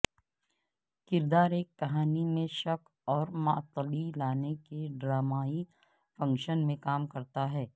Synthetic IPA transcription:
kɪɾd̪aːɾeːkːɐɦaːnimẽʃɐk | ɔːɾmaːt̪lilaːnekeɖɾaːmaːi | fɐ̃ŋkʃənmẽkaːmkɐɾt̪aɦɛː

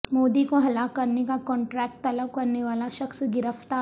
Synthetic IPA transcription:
moːd̪ikoɦɐlakɐɾnekakɔ̃ːɳʈɾɛːk̚ʈ̚t̪ɐləb̚kɐɾneʋaːlaʃɐxsɡɪɾəft̪aː

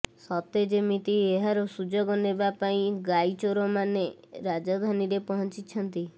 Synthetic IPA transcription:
sɔt̪ed͡ʒemit̪ieɦaɾɔsud͡ʒɔɡɔnebapaĩɡait͡ʃoɾɔmaneɾad͡ʒɔd̪ʱaniɾepɔɦɔnt͡ʃit͡ʃʰɔnt̪i

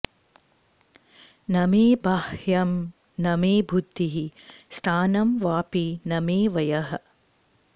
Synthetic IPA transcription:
nɐmeːbaːhjɐm | nɐmeːbʱud̪iɦist̪ʰaːnɐmʋaːpinɐmeːʋɐjɐɦɐ̆

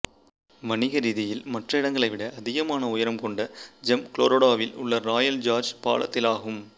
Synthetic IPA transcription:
ʋɐɳɪɣɐɾiːðɪjɪlmɐʈrɐɪɽɐŋɡɐɭɐɪʋɪɽɐʔɐðɪɣɐmaːnɐʊjɐɾɐmkɔɳɖɐd͡ʒɛmkloːɾoːɽaːʋɪlʊ̰ɭːɐɾaːjɐld͡ʒaːɾd͡ʒpa̰ːlɐ̰t̪ːɪlaːɣɯm

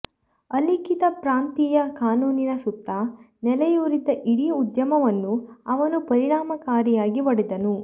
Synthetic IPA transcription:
ɐlikit̪ɐpɾaːnt̪iːjɐkaːnuːninɐsut̪ːɐ | nɛlɛjuːɾid̪ɐʔiɽiud̪jɐmɐʋɐnːuɐʋɐnupɐɾiɳaːmɐkaːɾijaːɡiʋɐɽid̪ɐnu

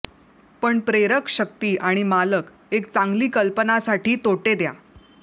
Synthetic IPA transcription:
pəɳpɾeɾəkɕək̚t̪iːʔaɽ̃imalək | ek̚t͡saŋɡliːkəlpənasaʈʰiːt̪oʈed̪ja̰

